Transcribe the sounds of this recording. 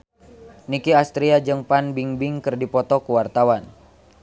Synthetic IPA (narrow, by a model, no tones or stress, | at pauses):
nikiast̪ɾiad͡ʒɨŋpanbiŋbiŋkɨrdipɔt̪ɔkuwart̪awan